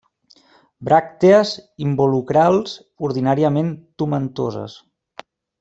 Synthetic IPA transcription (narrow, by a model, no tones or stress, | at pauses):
bɾak̚t̪eəzimbulukɾalˠz | uɾð̞inaɾiəment̪umənt̪ozə̰s